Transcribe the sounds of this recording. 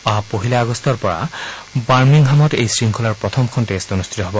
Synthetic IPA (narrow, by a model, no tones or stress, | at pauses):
apoɦilaːɡɔstɔɹpɔɹa̰baɹmiŋɦamɔtejsɹiŋkʰulaɹpɹɔtʰɔmkʰɔntestonustʰi̥tɔɦobɔ